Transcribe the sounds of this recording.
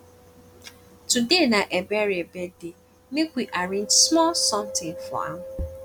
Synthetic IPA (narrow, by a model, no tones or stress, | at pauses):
tudenaʔebɛɾebede | mekʷiʔaɾẽnd͡ʒsmɔlsɔ̃mtɪ̃ŋfɔ̰a̰m